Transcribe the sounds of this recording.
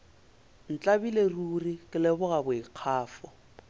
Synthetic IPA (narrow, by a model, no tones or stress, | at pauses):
n̩t͡ɬʼabileruːrikʼɪlɛbʊɣabʊiq͡χʰaːfɔ